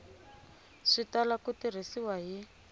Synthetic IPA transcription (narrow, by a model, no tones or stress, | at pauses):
ʂitalakutir̤isiwaɦi